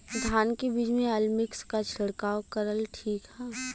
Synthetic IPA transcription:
d̪ʱaːnkebiːd͡ʒmẽəlmɪkskat͡ʃʰɐɽkaːwkəɾəlʈʰiːkhɛː

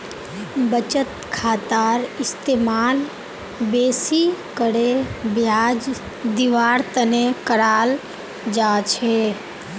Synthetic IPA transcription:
bət͡ʃət̪kʰaːt̪aːɾɪst̪eːmaːl | beːsikəɽebjaːd͡ʒ | d̪ɪʋaːɾt̪ənekəɾaːl | d͡ʒaːt͡ʃʰeː

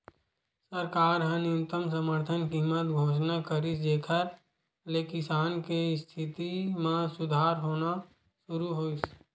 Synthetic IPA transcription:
səɾkaːɾɦə̃nɪʊt̪əms̬əməɾt̪ʰənkiːmət̪ɡʱoːʃnakəɾisd̪eːkʰəɾ | lekɪsaːnkest̪ʰɪt̪imãsʊd̪ʱaːɾɦoːna | ʃʊɾuɦoːɪs

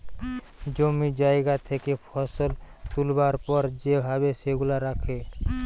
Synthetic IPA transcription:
d͡ʒomid͡ʒaeɡat̪ʰekepʰɔsolt̪ulbaɾpɔɾd͡ʒebʱabeʃeɡulaɾakʰe

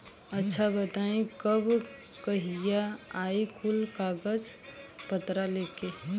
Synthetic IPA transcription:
ətːʃʰabət̪aːĩkəbkəɦijaaːikʰʊlkaːɡəd͡ʒ | pət̪ɾaleːkeː

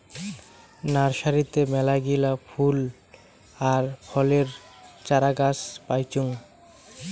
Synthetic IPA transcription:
naɾʃaɾit̪emɛlaɡilafʰul | aɾpʰɔleɾt͡ɕaɾaɡaspajt͡ɕuŋ

